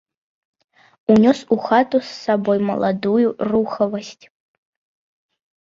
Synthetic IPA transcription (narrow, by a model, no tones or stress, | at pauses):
unʲɔsuxat̪usːabɔjmɐ̰lˠa̰d̪ujuruxɐvɐsʲtʲ